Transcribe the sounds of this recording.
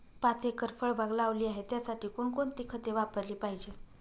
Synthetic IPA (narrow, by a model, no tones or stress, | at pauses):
pat͡sekəɾfəɭbʱaɡlaːʋliːaɦet̪jasaʈʰiːkuːɳkoɳt̪iːkʰət̪eʋapəɾliːpaɦid͡ʑe